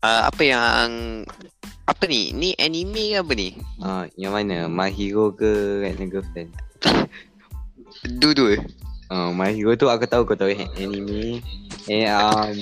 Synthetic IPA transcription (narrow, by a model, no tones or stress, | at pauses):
ʔəa̰pəjaŋ | ʔapənḭniʔɛnimẽkabəniəjaŋmanəmaɦiɾokəkɛʔnəɡəfɛn | duduəəmaɦiɾot̪uakut̪aukot̪auɦɛʔɛnimẽ | ɛnəm